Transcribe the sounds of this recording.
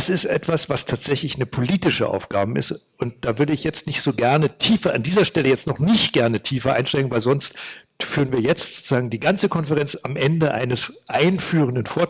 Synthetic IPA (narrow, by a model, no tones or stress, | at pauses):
asɪstʔɛ̰tv̥asv̥astʰaːtz̥ɛçlɪçnəpʰoliːtɪʃəʔa̰ʊfɡ̥aːbəɪ̰st | ʔʊnt̚d̥aːvʏɐɾəɪçjɛt͡stnɪçtz̥oːɡɛɐnətʰiːfɐʔandiːzɐʃtɛləjɛt͡stnɔχnɪçtɡ̥ɛɐnətʰiːfɐʔa̰ɪnʃtɛɪɡŋ̩vaɪlzɔnst | fyːʁənviːɐjɛt͡stz̥oːt͡suz̥aːɡŋ̩diːɡant͡səkʰɔnfəʁɛnt͡samʔɛndəʔa̰ɪnəsʔaɪnfyːʁəndənfoːɐ